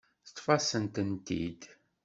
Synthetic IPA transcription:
θə̥t̪ːˤfɑsənt̪ənt̪ḭd̪

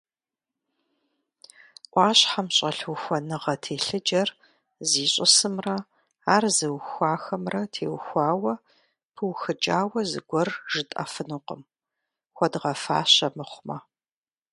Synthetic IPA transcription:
ʔʷʼɑːɕħamɕʼɐɬwxʷɔnɨʁɐtʰeːɬɨd͡ʒɐr | ziːɕʼɪsɨmrɐ | aːrzɨwxʷaːxɐmrɐtʰeːwxʷaːwɐ | pʰɨwxɨd͡ʒʼaːwɐzɨ̰ɡʷɔrʒ̥ɨtʼɐ̰fɨnuqə̰m | xʷɔdʁɐfa̰ːɕɐmɨχʷmɐ

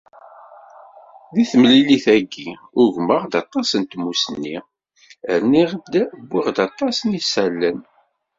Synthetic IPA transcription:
ðiθmlːiliθæɡːi | ʊʝməʁd̪ɑt̪ˤːɑsənt̪mːusənːi | əɾniʁd̪æbːiʁd̪ɑt̪ˤːɑsnisælːən

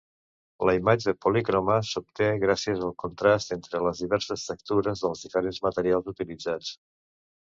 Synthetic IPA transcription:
ləimad͡ʒəpulikɾoməsup̚t̪eɣɾasiəzəlˠkunt̪ɾast̪ent̪ɾələzðiβɛɾsəstək̚t̪uɾəzðəlˠzðifəɾenzmət̪əɾialˠzut̪ilid͡zat͡s

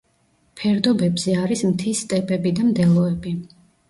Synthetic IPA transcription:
pʰɛɾd̪ɔbɛbz̥ɛaɾismt̪ʰist̪ʼɛbɛbid̪amd̪ɛlˠɔɛbi

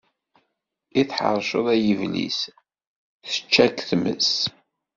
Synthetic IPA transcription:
iθħə̰ɾˤʃə̰ðˤæjəvlḭs | θə̥t͡ʃːækθmə̰s

